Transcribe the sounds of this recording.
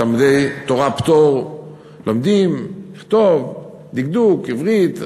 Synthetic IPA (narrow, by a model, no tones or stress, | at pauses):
almid̪ejt̪oʁapt̪oʁ | lʔomd̪imiχt̪ov | d̪iɡ̚d̪ukivʁit̪